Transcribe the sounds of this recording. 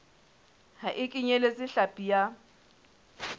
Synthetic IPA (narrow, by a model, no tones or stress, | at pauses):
haʔɪkʼɪɲelet͡sʼɪɬapʼija